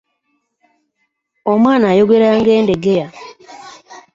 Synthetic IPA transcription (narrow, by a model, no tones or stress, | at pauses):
omwaːnaːjoɡeɾaːŋɡeːndeɡeja